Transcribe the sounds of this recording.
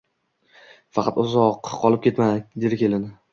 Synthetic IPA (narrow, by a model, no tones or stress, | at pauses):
fɑqʰɑt̪ʊzɒqqʰːɒlɪp̚kʲe̞t̪mad̪ed̪ɪkʲe̞lɪnɪ